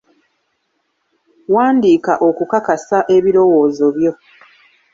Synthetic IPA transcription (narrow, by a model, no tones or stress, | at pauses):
waːndiːkaʔo̞kukakasaʔe̞βiɾo̞wo̞ːzo̞βjo̞